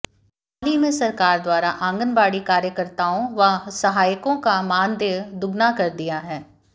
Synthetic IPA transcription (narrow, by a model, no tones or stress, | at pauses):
aːlimẽsɐɾkaːɾd̪waːɾaʔãːŋɡənbaːɽikaːɾjəkəɾt̪aːõʋɐsɐɦaːjkõkamaːnd̪eːʋd̪ʊɡnakɐɾd̪ijaɦɛː